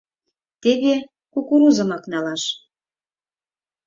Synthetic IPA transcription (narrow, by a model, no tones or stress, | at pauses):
t̪eβe | kukuɾuzɤ̆mɑknɑlɑʃ